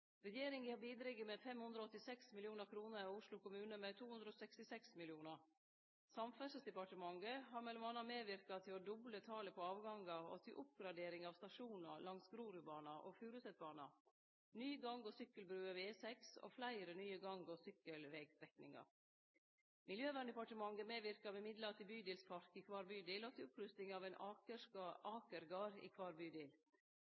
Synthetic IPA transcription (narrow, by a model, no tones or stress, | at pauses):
ɾɛjeːɾɪŋɪhɑːbiːd̪ɾɛɡːəmɛfɛmhʉnd̪ɾɔɔt̪ːɪsɛksmɪljuːnəɾkʰɾuːnəɾiʊʂlʊkʊmʉːnəmɛt̪ʰuːhʉnd̪ɾoːsɛkst̪ɪsɛksmɪlɪuːnəɾ | sɑmfæʂəsd̪ɛpɑʈəmɑŋɡəɦɑːɾmɛlɔmɑnːɑmeːʋɪɾkɑt̪ʰɪlɔd̪ʊblət̪ʰɑːləpʰɔɑːʋɡɑŋɑɔ̰t̪ʰɪʔʊp̚ɡɾɑd̪eːɾɪŋɑːʋst̪ɑʂuːnɑlɑŋsɡɾuːɾʊbɑːnɑʔo̰fʉːɾʉsɛt̪̚bɑːnɑ̰ | nyːəɡɑŋɡoːsʏkːəlbɾʉːɑʋeːsɛkso̰ːflæɪɾənyːəɡɑŋɡoːsʏkəlʋɛɡd̪ɾɛknɪ̰ŋɑ̰ | mɪljøːʋænd̪ɛpɑʈəmɑŋɡəmeːʋɪɾkɑbɛmɪd̪lɑt̪ʰɪbyːd̪iːlspʰɑɾkiːkʰʋɑːɾbyːd̪iːlɔt̪ʰɪlʊpɾʉst̪ɪŋɑʋæɪnʔɑəkɑːkəɾɡɑːɾḭːkʰʋɑːɾbyːd̪iːl